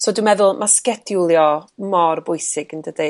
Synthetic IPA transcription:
soːdumɛðʊlˠmʔaskɛdʊlˠjɔmɔrbʊɨsɪɡəndəde

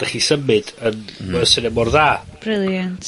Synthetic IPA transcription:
d̥aχisəmɨdənəsɪnɛmɔrðaːb̥ɾɪlˠjant

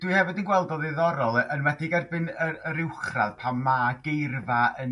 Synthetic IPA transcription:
d̥wɨhɛvɨdənɡwɛlˠdɔðɪðɔɾɔlˠəʔənwɛdɪɡɛrbɨnəəɾɪwχra̰ðpʰamːaɡejrvaə

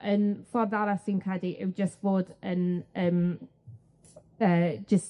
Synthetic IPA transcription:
ʔənfɔrðaɾasinkʰɛdiʔɪ̰wd͡ʒəsb̥oːdənəːm | əːd͡ʒəs

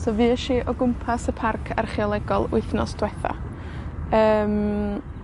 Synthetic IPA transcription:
sɔːviːəʃiʔɔɡʊmpʰasəpʰarkʰarχialˠɛɡɔlˠʊɨθnɔsd̥wɛθa̰ | əːm

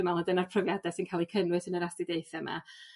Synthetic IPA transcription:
əmalˠədənarpʰrɔvjadɛsinkʰaːlˠikʰənwɨsənəɾastɪdeɨθɛma̰

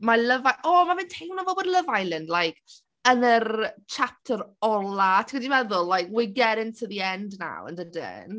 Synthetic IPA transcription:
maləvajʔɔːmavɪntʰejmnɔvɔbɔdlˠəvajlɪnlajkʰ | ənərt͡ʃʰap̚tʰəɾɔlˠatʰəwɛdimɛðʊlˠlajkʰwɪɡɛɾɪntʰəðiɛndna̰wə̰ndədɪ̰n

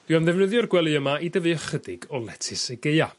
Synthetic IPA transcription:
d̥ianðɛvnəðjʊrɡwɛlˠɨəmaʔidəvɨəχədɪɡɔlˠɛtʰɪsɛɡeɨa

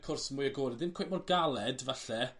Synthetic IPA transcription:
kʰʊrsmuːjəɡoːɾɪdðɪnkʰojʔ̚mɔrɡalˠɛdvaɬɛ

